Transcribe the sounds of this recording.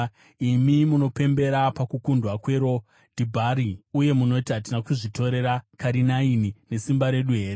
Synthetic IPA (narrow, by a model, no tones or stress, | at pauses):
imimuno̞pe̞mbe̞ɾapakukundwakwe̞ɾo̞ | dʱibʱaɾiuje̞muno̞itiɦat̬inakuʐito̞ɾe̞ɾakaɾinainine̞simbaɾe̞ɗuɦe̞ːɾe